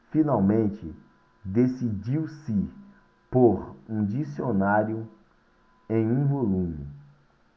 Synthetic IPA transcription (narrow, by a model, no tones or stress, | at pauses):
finawmẽnt͡ʃɪ | d̪esid͡ʒiwsɪ | poɾũd͡ʒisionaɾjʊ | ẽj̃ũvolũmɪ